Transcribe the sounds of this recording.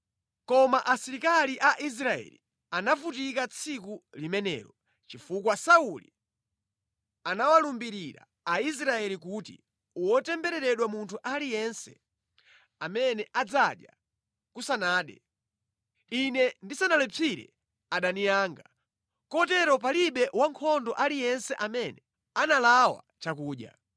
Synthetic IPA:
kɔmaʔasiɾikaliʔaʔis̬ɾaɛ̰li | anavutikat͡sʰikulimɛnɛ̰ːɾɔ | t͡ʃifukwasaulḭ | anawalumbiɾiɾa̰ | ais̬ɾaɛlik̬utḭ | uwɔtɛmbɛɾɛɾɛɗwamuntʰuʔalijɛnsɛ̰ | amɛnɛʔad͡zaɗja | kusanaːɗɛ̰ | inɛndisanalɛt͡sʰiɾɛ̰ | aɗaniaːŋɡa | kɔtɛɾɔp̬aliɓɛwaŋkʰɔndɔʔalijɛnsɛʔamɛnɛ | analawa̰ | t͡ʃakuːɗja̰

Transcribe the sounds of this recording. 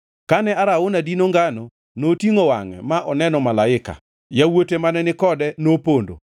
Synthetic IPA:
kanɛaɾaonadinoŋɡano | notiŋowa̰ŋɛ̰maʔɔnɛnɔmalaɪka̰ | jawotemanɛnɪkɔdɛnopondo̰

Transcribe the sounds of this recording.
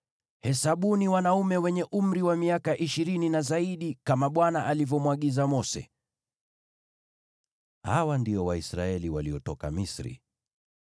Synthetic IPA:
hɛsaɓuniwanaumɛwɛɲɛʔum̩ɾiwamiakaʔiʃiɾininazaiɗikamaɓwanaʔalivɔmwaɠizamɔsɛ̰ | ha̰wandiɔwaisɾa̰ɛliwaliɔtɔka̰misɾḭ

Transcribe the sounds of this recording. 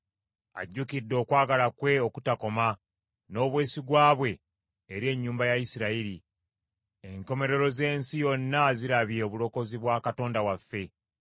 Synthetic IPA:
a̰ɟːukidːo̞ːkwaːɡalakwe̞o̞kutako̞ma | no̞ːβwe̞ːsiɡwaːβwe̞ | eɾie̞ɲːuːmbajajisiɾaiɾi | eŋko̞me̞ɾe̞ɾo̞ze̞ːnsijo̞nːaziɾaβjeoβulo̞ko̞ziβwaːkato̞ːndawafːe̞

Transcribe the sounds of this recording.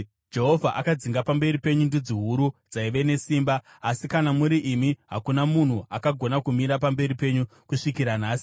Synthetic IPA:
d͡ʒe̞ɦo̞vʱaʔakad͡ziŋɡapambe̞ɾipe̞ɲundud͡ziɦuɾud͡zaiʋe̞ne̞siːmbaː | sikanamuɾiʔimiɦakunamun̤uakaɡʱo̞nakumiɾapambe̞ɾipe̞ɲu | kuʂikiɾanaːsi̥

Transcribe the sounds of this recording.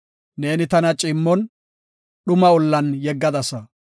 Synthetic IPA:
ne̞ːnɪt̪ɐnɐt͡ʃʼɪmːɔn | ɗʊmɐʊlːɐnjɛɡːɐd̪ɐsɐ

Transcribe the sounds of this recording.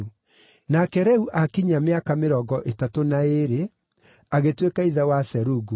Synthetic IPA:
nakɛɾɛuʔakiɲameakameɾɔɡɔʔetatonaeɾe | aɣetwekaiðɛwasɛɾuɡu

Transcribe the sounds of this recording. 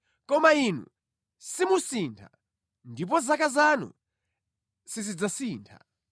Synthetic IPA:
kɔmainṵ | simusintʰa̰ | ndip̬ɔzakazanṵ | sizid͡zasiːntʰa̰

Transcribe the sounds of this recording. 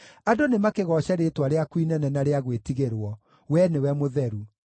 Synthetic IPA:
adonemakeɣɔɕɛɾetwaɾeakwinɛnɛnaɾeaɣwetiɣeɾwɔ | wɛnewɛmoðɛɾu

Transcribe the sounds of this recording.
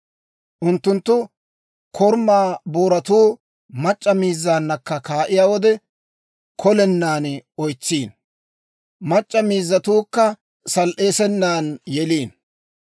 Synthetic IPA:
ʔʊnt̪ːʊnt̪ːʊ | kʰɔɾmːaːboːɾɐt̪uː | mɐt͡ʃʼːɐmiːzːaːnːɐkːɐkaːʔɪjaːwɔd̪ɛ | kʰɔlɛnːaːnɔjt͡sːiːn | mɐt͡ʃʼːɐmiːzːɐt̪uːkːɐ | sɐlʔe̞ːsɛnːaːnjɛliːn

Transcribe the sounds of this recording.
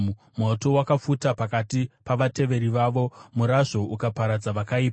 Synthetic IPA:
moto̞wakafutapakatipaʋate̞ʋe̞ɾiʋaʋo̞muɾaʐo̞ʔukapaɾad͡zaʋakaiːp

